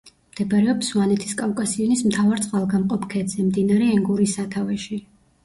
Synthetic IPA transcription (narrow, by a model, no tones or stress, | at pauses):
md̪̥ɛbaɾɛɔpswanɛt̪ʰi̥skʼavkʼasiɔnismt̪ʰavaɾt̪sʼqʼalˠɡamqʼɔpkʰɛd̪z̥ɛmd̪inaɾɛːŋɡuɾisat̪ʰavɛʃi